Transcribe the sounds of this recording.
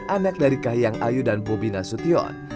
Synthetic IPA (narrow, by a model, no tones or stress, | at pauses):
ʔanak̚daɾikaɦjaŋʔajudanbobinasut̪iɔ̰n